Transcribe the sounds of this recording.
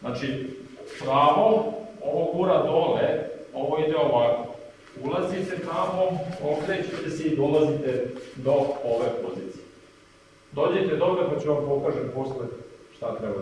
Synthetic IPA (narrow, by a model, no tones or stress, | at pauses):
znat͡ʃipɾaːʋooʋoɡuɾad̪oleo̞ʋoid̪eoʋako̥ | ulˠazit̪et̪amookɾet͡ɕet̪eseid̪olazit̪ed̪o̞oʋe̞po̞ziːt̪si̥je | d̪o̞ːd͡ʑe̞t̪ed̪obɾepat͡ɕeʋampo̞kaːʒemposleʃt̪at̪ɾɛba